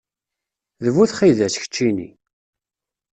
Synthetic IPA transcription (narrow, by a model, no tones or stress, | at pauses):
ðəvuθχiðæsçə̥t͡ʃːinḭ